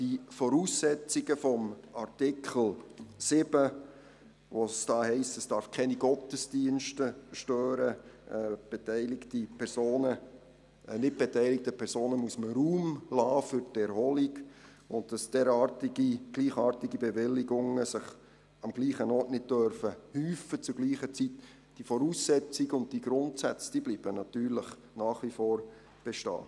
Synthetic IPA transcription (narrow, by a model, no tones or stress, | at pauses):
d̥ifɔɾuːsːɛt͡siɡəfɔmɑɾtɪkʰl̩sɪb̥ə | ʋosd̥ɑːhɛɪstəsd̥ɑɾfkʰɛniɡ̥ɔtəsd̥iənʃtəʃtøːɾə | b̥etɛɪlɪktipʰɛɾsoːnə | nɪt̚b̥etɛɪlɪk̚təpʰɛɾsoːnəmuəsməɾuːmlɑːfʏɾtɛɾhɔliɡ | ʊnt̚d̥ɑsd̥ɛːɾɑːtiɡiɡ̥liːχɑːɾtiɡibɛʋɪlːɪɡʊŋːəsɪχ | ɑmɡ̥liːχənɔːtnɪd̚d̥œɾfəhyːfət͡suɡ̥liːχət͡sit | d̥ifɔɾuːsːɛt͡siɡʊnt̚d̥iɡɾʊntsæt͡sd̥iːbliːb̥ənɑtyːɾləχ | nɑːχʋifɔːɾ | b̥ɛʃtɑ̰ː